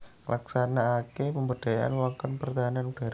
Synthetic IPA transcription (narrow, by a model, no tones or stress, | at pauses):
lʔaksanaːkepəmbəd̥ajaʔa̰nwaŋkənpərt̪aɦanianud̥a̤ɾa